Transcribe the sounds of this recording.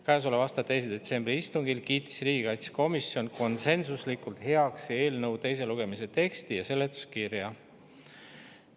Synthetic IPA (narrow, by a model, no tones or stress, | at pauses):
kæjs̬olevɑst̪ɑt̪e̞js̬id̪̥e̞t̪se̞mbɾiist̪uŋɡilkiːt̪ːi̥sriːɡ̥ikɑjt̪se̥ko̞misjo̞nko̞nse̞nsuslikult̪he̞ɑksie̞ːlnɤwt̪e̞js̬e̞luɡ̥e̞mise̞t̪e̞kst̪ijɑse̞lːet̪ːˑu̥skiɾjɑ